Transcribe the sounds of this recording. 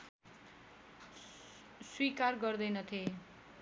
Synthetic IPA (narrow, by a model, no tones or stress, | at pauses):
swikarɡʌrd̪ʌjnʌt̪ʰie